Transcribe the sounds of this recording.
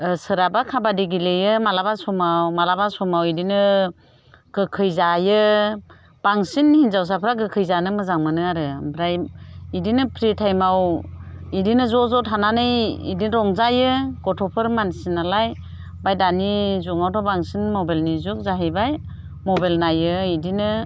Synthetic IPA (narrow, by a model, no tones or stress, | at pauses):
sɯɾabakʰabadiɡilejɯmalabasɔmawmalabasɔmawidinɯ | ɡ̥ɯkʰɯjzajɯ | b̥aŋsinhinzaws̬apʰɾaɡɯkʰɯjzanɯmɯzaŋmɯnɯaɾɯbɾajidinɯpʰɾitʰajmaw | idinɯzɔzɔtʰananɯjḭdinɾɔŋzajɯɡ̥ɔtʰɔpʰɯɾmansinalaj | bajdanizuŋawtʰɔbaŋsinmɔbalnizuk̚zaɦijbaj | mɔbalnajɯidinɯ